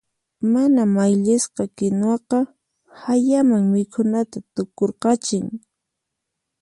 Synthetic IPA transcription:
manamajʎɪsqɑkɪnwɑqɑ | hajamaŋmɪkʰʊnat̪at̪ʊkoɾqɑt͡ʃɪŋ

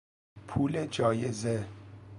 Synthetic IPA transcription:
pʰuːled͡ʒɒːjeze

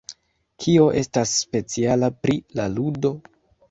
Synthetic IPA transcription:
kʰio̞ʔe̞stasːpe̞t͡sialapɾilaludo̞

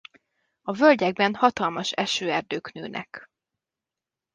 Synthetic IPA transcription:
ɒvølɟɛɡ̚bɛnhɒt̪ɒlmɒʃɛʃøːɛrd̪øːknøːnʔɛ̰k

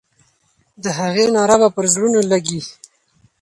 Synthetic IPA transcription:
d̪əɦaɣenɑɾabapəɾzɽunolaɡi

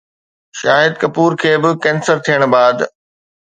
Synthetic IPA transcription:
ʃaːɦɪd̪kɐpuːɾkʰeːbɪkɛ̃ːnsəɾt̪ʰijəɽ̃baːd̪

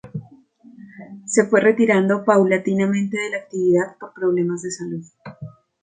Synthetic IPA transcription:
se̞fwe̞re̞t̪iɾand̪opawlat̪inamẽ̞nt̪e̞ðe̞laːk̚t̪iβiðaðpo̞ɾpɾo̞β̞le̞mazd̪e̞saluð

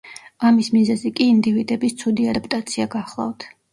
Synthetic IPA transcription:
amismizɛzikʼiːnd̪ivid̪ɛbist̪sʰud̪iad̪apʼt̪ʼat̪sʰiaɡaχlˠa̰vt̪ʰ

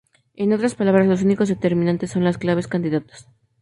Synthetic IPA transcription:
eno̞t̪ɾaspalaβɾazlo̞s̬uniko̞zðet̪e̞ɾminãnt̪e̞sːo̞nlasklaβ̞e̞skand̪iðat̪o̥s

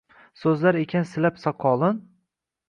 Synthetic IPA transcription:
sɵzlaɾekʲʰansɪlapsaqʰɒlˠɪn

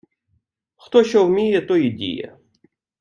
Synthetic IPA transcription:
xt̪ɔʃɔwmʲijɛt̪ɔidʲḭjɛ̰

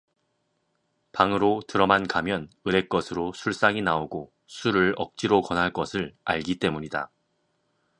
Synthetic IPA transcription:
paŋɯɾotɯɾʌmankamjʌnɯɾe̞k͈ʌsʰɯɾosʰuɭs͈aŋinaoɡo | sʰuɾɯɭʌk̚t͡ɕ͈iɾokʌnɦaɭk͈ʌsʰɯɭa̰ɭɡit͈e̞muɲida̰

